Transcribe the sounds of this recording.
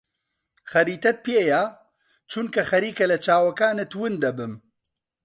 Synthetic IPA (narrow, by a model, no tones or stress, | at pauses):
xɐɾiːt̪ɐt̪̚pʰjeːja | t͡ʃʰunkɐxɐɾiːkɐlɐt͡ʃʰaːwɐkaːnet̪wɨnd̪ɐbɨm